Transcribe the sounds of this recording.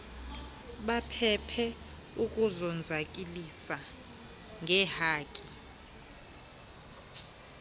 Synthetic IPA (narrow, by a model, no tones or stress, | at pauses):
ɓapʰɛpʰɛ | ukʼuzɔnd͡zʱakʼilisa | ŋɡʱɛhaːkʼi